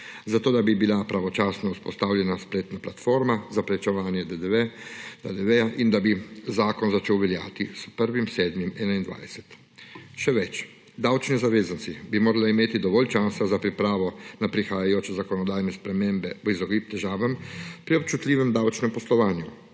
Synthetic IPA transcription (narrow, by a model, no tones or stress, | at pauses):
zat̪oːd̪abibilapɾaʋɔt͡ʃaːsnɔuspɔ̰st̪aːwljɛnaspleːt̪naplat̪foːɾmazapɾɛt͡ʃɛʋaːnjɛd̪ɛd̪ | d̪ad̪ɛʋɛaʔind̪abizaːkɔnzat͡ʃeːwʋɛlja̰ːt̪ispəɾʋimseːd̪mimɛːnaind̪ʋa̰ːjsɛ̥t̪ | ʃɛʋɛt͡ʃ | d̪awt͡ʃnizaʋeːzansibimoːɾalaimeːt̪id̪ɔʋɔlʲt͡ʃaːsazapɾipɾaːʋɔnapɾixaːjajoːt͡ʃɛzakɔnɔd̪aːjnɛspɾɛmeːmbɛizɔɡip̚t̪ɛʒaːʋɐmpɾiop̚t͡ʃut̪lʲiːʋɛmd̪awt͡ʃnɛmpɔslɔʋaːnju